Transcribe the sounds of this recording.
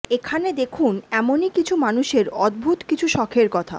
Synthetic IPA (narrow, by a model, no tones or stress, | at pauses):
ekʰaned̪ekʰunɛmonikit͡ɕʰumanuʃeɾɔd̪̚bʱut̪kit͡ɕʰuʃɔkʰeɾkɔt̪ʰa̰